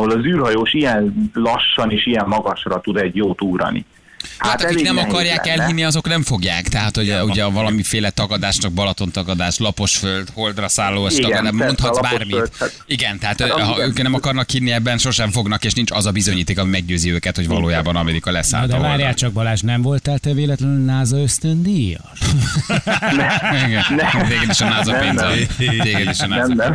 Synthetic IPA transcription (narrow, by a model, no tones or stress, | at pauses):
holɒzyːrhɒjoːʃijɛnlɒʃːɒneːʃijɛmːɒɡɒʃrɒt̪ud̪ɛɟjoːt̪uːɾɒ̰nḭ | h̪aat̪ɒkiknɛmɒkɒrjaːkɛlɦinːiɒzo̞knɛɱfo̞ɡja̰ːkt̪ɛɦat̪hoɟuɟɛvɒlɒmifeːlɛt̪ɒɡɒd̪aːʃnɒɡ̚bɒlɒt̪o̞nt̪ɒɡɒd̪aːʃlɒpo̞ʃføld̪ho̞ld̪rɒsaːlːoːɛt̪ɒd̪amont̪hɒbaːrmit̪ | iɡɛnt̪ɛɦaːt̪hɒøːkɛnɛmɒkɒrnɒkːinːiɛbːɛnʃo̞rʃɛɱfo̞ɡnɒkeːʃnint͡ʃɒzɒbizoɲiːt̪eːkɒmimɛɡ̚ɟøːziøːkɛt̪ho̞ɟvɒ̰loːjaːbɒnɒmɛd̪ikɒlɛ̰sa̰ːld̪ɛ̰vaːɾjaːkt͡ʃɒɡ̚bɒlaːʃnɛɱvo̞lt̪alt̪ɛveːlɛt̪lɛnɛnaːzɒøst̪ønd̪ijɒ̰ | iɡɛnt̪eːɡɛd̪eʃɒnaːzɒpeːnzɒteːɡɛd̪eʃna